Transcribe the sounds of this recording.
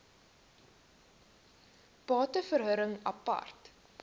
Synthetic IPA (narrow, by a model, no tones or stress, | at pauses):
b̥ɑːtəfərɦəɾəŋɐ̰pɐ̰rt